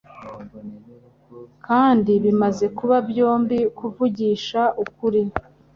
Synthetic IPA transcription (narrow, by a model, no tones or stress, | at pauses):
kaːndiβimaze̞kuβabjo̞ːmbikuvuɟiːʃaʔukuɾi